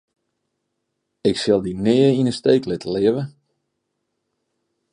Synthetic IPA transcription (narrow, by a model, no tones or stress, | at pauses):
ɪksɪlˠdinɪːəinəsteːklɪtəlɪəʋə